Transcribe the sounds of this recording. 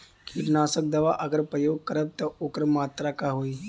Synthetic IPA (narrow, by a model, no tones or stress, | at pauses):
kʰiʈnaːsək̚d̪ɐʋaʔəɡəɾpɾəjoːɡ̚kəɾəb̚t̪ɐokɾəmaːt̪ɾakaɦoːi